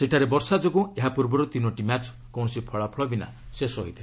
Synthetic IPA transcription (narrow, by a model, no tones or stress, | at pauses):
seʈʰaɾebɔɾsad͡ʒoɡũeɦapuɾbɔɾot̪inoʈimat͡ʃ | kɔw̃ɔsipʰɔɭapʰlɔbina̰ | sesɔɦo̰jt̪ʰe